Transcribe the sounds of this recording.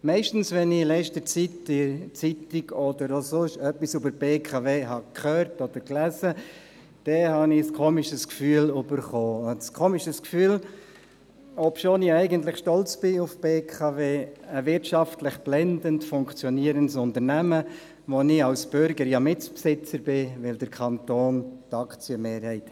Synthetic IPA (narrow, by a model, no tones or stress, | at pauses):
mɛɪʃtn̩svɛnɪlɛʃtət͡sitdɪt͡sitiɡɔdəɾosʊʃœpːisybəɾb̥eːkʰɑveːɦɑkʰχøːɾtɔd̥əɾklæzə | d̥ɛhɑnɪskʰoːmɪʃəskfyːəlybəɾχoːskʰoːmiʃəskfyːl | ɔpʃoːnɪɛɪɡəntlɪχʃtɔlt͡sb̥ɪʊfb̥eːkʰɑveːəvɪtʃɑftlɪχb̥lɛndəntfʊŋkt͡sjɔniːɾəntsʊntəɾnæmə | ʋonɪɑwsb̥ʏɾɡəɾjɑmɪt͡spsɪt͡səɾb̥ɪʋɪld̥əɾkʰɑntoːntɑkt͡sjəmeːɾhɛɪt